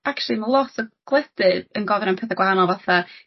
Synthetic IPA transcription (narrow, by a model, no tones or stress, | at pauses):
akt͡ʃlˠimalˠɔtʰɔɡ̥lˠɛd̥ɨdənɡɔvɾənmpʰɛθaɡwaɦanɔlˠvaθa